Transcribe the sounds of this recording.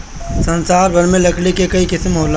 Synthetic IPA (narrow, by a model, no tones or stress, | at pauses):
sɐ̃nsaːɾbʱɐɾmẽlɐkʰlekekɐikɪsmɦoːl